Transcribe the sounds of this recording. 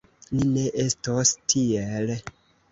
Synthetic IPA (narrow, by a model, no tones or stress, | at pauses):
line̞ʔe̞stostʰiel